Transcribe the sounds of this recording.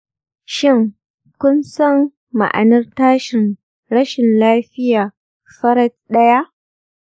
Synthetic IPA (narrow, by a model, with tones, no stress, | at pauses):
ʃɪ˦˨ŋ | kʷʊ˦nsɐ˦˨mː | a̰˨ʔa̰˨nɐ˦rtaː˦ʃɪ˨n | ɽɐ˦ʃɪ˨nlaː˦ɸɪ˦jaː˨ | ɸɐ˦ɾɐ˦tɗɐ˦ja˦ʔ